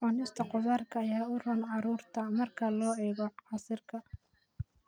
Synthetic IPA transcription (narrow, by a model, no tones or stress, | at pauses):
ɔnɪst̪ʰɐqʊðaːrkʰɐːjaːʊrɐnʕɑɾuːrt̪ʰɐmɐrkʰɐlɔːɛːɣɔʕɑsɪrkʰɐ